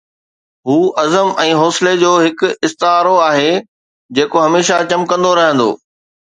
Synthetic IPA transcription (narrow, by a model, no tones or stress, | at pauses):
ɦuːʔɐzəmɛ̃ːɦɔːsɪled͡ʑoːɦɪkʊɪst̪ɪɦaːɾoaːɦe | d͡ʑeːkoɦɐmeːʃat͡ɕɐmkɐ̃nd̪oɾɐɦə̃nd̪o̰ː